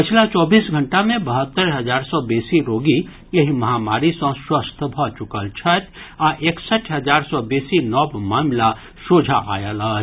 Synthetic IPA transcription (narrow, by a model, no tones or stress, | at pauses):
pət͡ʃʰlat͡ʃɔːbiːsɡʱəɳʈamẽbəɦət̪ːəɾɦəd͡ʒaːɾsɔbeːsiɾoːɡi | jəɦiməɦamaːɾisə̃swəst̪ʰbʱɔt͡ʃukəlt͡ʃʰət̪ʰ | aʔeksəʈʰɦəd͡ʒaːɾsɔbeːsinɔːbmaːmla | sod͡ʒʱaʔa̰ːjələ